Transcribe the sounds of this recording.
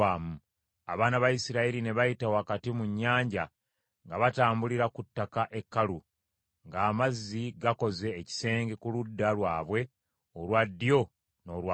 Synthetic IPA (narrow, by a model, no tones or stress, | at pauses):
aːmu | a̰βaːnaβajisiɾaiɾine̞βajitawakatimuɲːaːɲɟa | ŋɡaβataːmbuliɾakutːakaʔe̞kːalu | ŋɡaːmazːiɡako̞ze̞ːci̥se̞ːŋɡe̞kuludːalwaːβwe̞ | olwadːijo̞ | no̞ːwa